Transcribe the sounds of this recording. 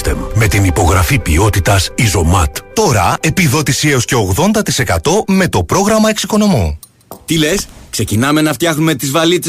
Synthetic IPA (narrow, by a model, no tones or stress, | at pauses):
t̪emme̞t̪inipo̞ɣɾɐfipio̞t̪it̪ɐsizo̞mɐ̰t̪t̪o̞ɾɐ̰e̞piðo̞t̪isieo̞sce̞oɣðo̞nd̪ɐt̪ise̞kɐt̪o̞me̞t̪o̞pɾo̞ɣɾɐmɐe̞ksiko̞no̞mu | t̪ile̞skse̞cinɐme̞nɐft̪çɐxnume̞t̪izvɐlit͡se